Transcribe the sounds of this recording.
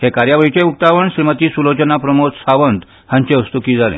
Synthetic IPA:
hekaɾjaʋəɾit͡ɕeuk̚t̪aʋəɳɕɾimət̪iːsulot͡ɕənapɾəmot̪saʋənt̪ | hãɲt͡ɕeust̪ukiːd͡zʱalḛ̃

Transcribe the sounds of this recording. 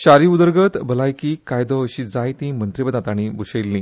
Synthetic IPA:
ɕaɾiud̪əɾɡət̪bəlajkiːkajd̪ɔəɕid͡zajt̪ĩmənt̪ɾibəd̪at̪aɽ̃ibuɕejlːĩː

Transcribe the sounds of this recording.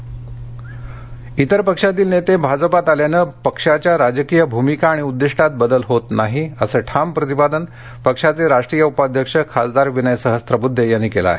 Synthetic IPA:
it̪əɾpəkʂat̪̬iːlnet̪ebʱad͡zəpat̪aljanəːpəkʂat͡ɕjaɾad͡ʑəkijəbʱumikaːɽ̃iud̪ːiʂʈat̪̚bəd̪əlɦot̪naɦiəsəːʈʰampɾət̪ipad̪ən | pəkʂat͡seɾaʂʈɾijəupad̪ʱjəkʂəkʰasd̪aɾʋinəjsəɦəst̪ɾəbud̪ʱːejanːiːkela̰ɦe

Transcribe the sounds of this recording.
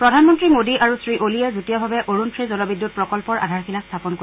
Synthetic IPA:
pɹɔdʱanmɔntɹimodiʔaɹusɹiʔoliɛzutijɔbʱabɛʔoɹuntʰɹizɔlɔbidːut̚pɹɔkɔlpɔɹʔa̰dʱaɹxilastʰapɔnko

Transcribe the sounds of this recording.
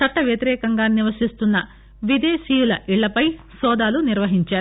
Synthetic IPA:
t͡ʃɐʈːɐʋjɐt̪iɾɛːkɐŋɡaːniʋɐsist̪unːɐ | ʋid̪eːʃiːjulɐʔiɭːɐpɐj | sɔːd̪aːluniɾʋɐɦiɲt͡ʃaːɾu

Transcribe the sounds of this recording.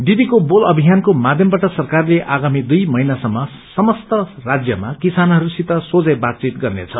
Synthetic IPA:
ɖid̪ikobolʌbʱijankomad̪ʱjʌmbaʈʌsʌrkarleʔʔaɡamid̪ujmʌinasʌmːʌ | sʌmʌst̪ʌrad͡zjʌmakisanɦʌɾusit̪ʌsod͡zʌjbat̪̚t͡sit̪̚ɡʌrnḛt͡sʰʌ

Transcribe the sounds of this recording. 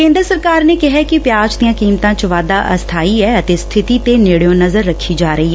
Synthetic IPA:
kẽːnd̪ɾəsəɾkaːɾnekɪɦɛkipjaːd͡ʒt̪ijãːkiːmt̪ãt͡ʃʋaːd̪aʔɐ̰st̪ʰaːiɦɛɐt̪est̪ʰɪt̪it̪enɪɽjõnɐzəɾːɐkʰːid͡ʒaːɾɐɦiɦɛː

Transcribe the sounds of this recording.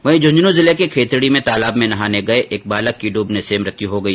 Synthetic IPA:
ʋɐɦĩd͡ʒʱʊ̃ɲd͡ʒnõzɪlekekʰeːt̪ɽimẽt̪aːlaːbmẽnɐɦaːneɡɐeʔʔeːk̚baːləkːiɖuːbnesemɾɐt̪jiɦoɡɐiː

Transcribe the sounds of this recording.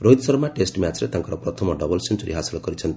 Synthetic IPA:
ɾoid̪sʌɾmaʈesʈmjat͡sɾet̪ãŋkɔɾɔpʌt̪ʰʌmɔɖʌbʌlsind͡ʒuɾḭɦasilɔɡʌɾit͡sʰʌnt̪

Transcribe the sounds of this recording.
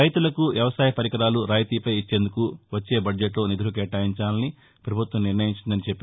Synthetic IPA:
ɐjt̪ulɐkuʋjɐʋɐsaːjɐpɐɾikɐɾaːluɾaːjt̪iːpɐjit͡ʃːe̞ːnd̪ukuʋɐt͡ʃːe̞ːbɐɖd͡ʒeʈlo̞ːnid̪ʱuɾuk̬ɛːʈːaːjiɲt͡ʃaːlɐni | pɾɐbʱut̪ʋɐmniɾnɐjiɲt͡ʃind̪ɐnit͡ʃepːe

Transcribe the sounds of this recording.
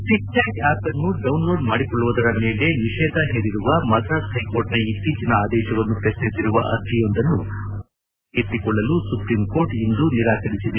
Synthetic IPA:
ʈik̚ʈaːkaːpɐnːuɖɖɐwnlo̞ːɖmaːɽikɔɭːuʋud̪ɐɾɐmeːle̞ʋiʃɛːd̪ɐɦeːɾiɾuʋɐmɐsaːskɐjkoːʈnɐit̪ːiːt͡ʃɐnɐaːd̪ɛːʃɐʋɐnːupɾɐʃnisiɾuʋɐ̰ʔɐɾd̪ʱijond̪ɐnːu | ɦet̪ːikɔɭːɐlusupɾimko̞ːɾʈind̪uniɾaːkɐɽisid̪e

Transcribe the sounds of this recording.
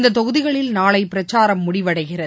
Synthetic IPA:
nd̪ɐt̪ːɔɣɯðɪɣɐɭɪlnaːɭɐɪpːɪɾɐt͡ʃːaːɾɐmːʊɽɪʋɐɽɐɪɣɪrɐ

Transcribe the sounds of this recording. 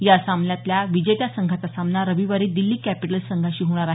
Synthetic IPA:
jasamljat̪ljaʋid͡ʑet̪jasəŋɡʱat͡sasamnaɾəʋiʋaɾiːd̪ilːiːkæpiʈəlsəŋɡʱaɕiːɦoɽ̃aɾaɦ

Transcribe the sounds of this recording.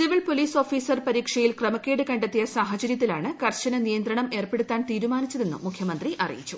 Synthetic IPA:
siʋiɭpoliːso̞ːfiːsɐrpɐɾiːkʂɐjilkrɐmɐkːeːɽɨkɐɳɖet̪ːijɐsaːɦɐt͡ɕɐɾjɐt̪̬ːilaːɳɨkɐrɕɐnɐnijɐnd̪ɾɐɳɐme̞ːrpeɽut̪ːaːnt̪iːɾumaːnit͡ɕːɐðe̞nːṵmːukʰjɐmɐnd̪riʔɐrḭjit͡ɕːu

